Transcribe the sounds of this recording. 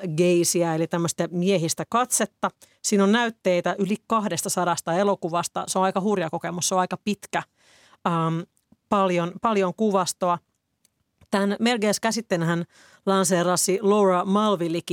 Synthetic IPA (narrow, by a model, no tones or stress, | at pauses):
ɡeisiɑelit̪æmːøst̪æmieɦist̪ækɑt̪set̪ːɑ | siːnonnæyt̪ːeit̪æʔylikɑhdest̪ɑsɑɾɑst̪ɑelokuʋɑst̪ɑ̰seonɑjkɑhurjɑkokemusseõɑikɑpit̪kæ | əːm | pɑljonpɑljoŋkuʋɑst̪oɑ | t̪ænmelɡeːskæsit̪ːenhæn | lɑnseːrɑsiloːrɑmɑlʋiliki